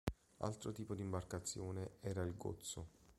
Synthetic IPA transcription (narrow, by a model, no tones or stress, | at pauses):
a̰lt̪ɾot̪iːpod̪imbarkat̪sːjoːneɛːɾailɡo̰t̪sːo